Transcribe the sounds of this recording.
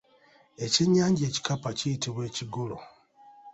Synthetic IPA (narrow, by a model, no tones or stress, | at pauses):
e̞ciɲaːɲɟe̞ːci̥kapacijitiβwe̞ːciɡulo̰